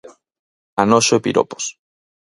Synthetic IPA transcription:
anoʃoepḭɾo̰po̥s

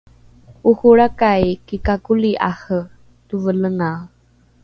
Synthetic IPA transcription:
uxuɾakajkikakuliʔaxə | tuvələŋa

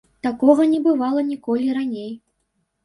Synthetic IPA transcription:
t̪akɔɣɐnʲɛbɨvalˠɐnʲikɔlʲiranʲej

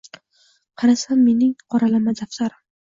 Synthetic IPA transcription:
qʰɑɾasanːe̞nɪŋqʰɒɾalamad̪aft̪aɾm

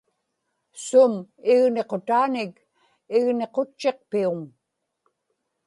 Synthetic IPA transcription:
sʊmɪɣne̞qo̞t̪aːnɪk | ɪɣne̞qo̞t͡ʃːe̞q̚piuŋ

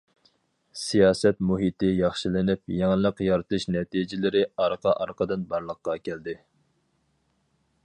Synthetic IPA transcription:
sijɑːsɛt̪muɦit̪ɪjɑχʃilɪnɪp̚jɛŋlˠəqjɑɾɨt̪ʰɨʃnɛt̪ʰid͡ʒɪlɪɾɪɑɾqʰɑʔɑɾqəd̪ɨnbɑɾlˠəqːɑkʲʰæld̪ɪ

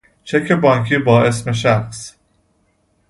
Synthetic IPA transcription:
t͡ʃʰekʰebɒːŋkʰiːbɒːe̞sme̞ʃ̬æxs

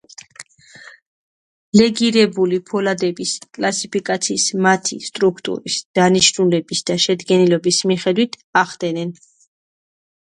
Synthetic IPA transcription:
lɛɡiɾɛbulipʰɔlad̪ɛbiskʼlasipikʼat̪sʰiːsmat̪ʰḭst̪ʼɾukʰt̪ʼṵɾisd̪̥aniʃnulɛbisd̪̥aʃɛd̪ɡɛnilɔbismiχɛd̪wit̪ʰ | aχd̪ɛnɛn

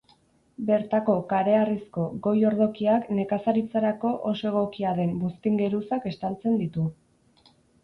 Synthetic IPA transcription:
be̞ɾt̪ako̞kaɾe̞arisko̞ɡo̞jo̞ɾðo̞kiakne̞kasaɾit͡saɾako̞ʔoso̞e̞ɣo̞kiaðe̞mbust̪iŋɡe̞ɾusake̞st̪alt͡se̞nd̪it̪u

